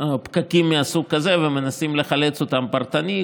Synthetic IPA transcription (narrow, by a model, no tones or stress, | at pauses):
pkakimːeasuɡ̚ːaze̞veme̞nasimle̞χale̞t͡sot̪ampaʁt̪ani